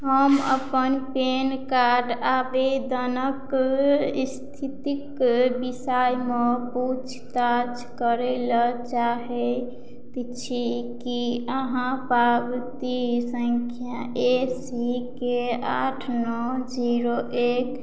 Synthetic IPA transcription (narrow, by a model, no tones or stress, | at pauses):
ɦəmə̰pənpenkaɾɖabed̪ənək | ist̪ʰit̪ikbisajmeput͡ʃʰt̪at͡ʃkəɾɛlət͡ʃaɦɛ | t̪t͡ʃʰikiəɦãpabt̪isəŋkʰja | esikea̰ʈʰnɔd͡ʒiɾoʔek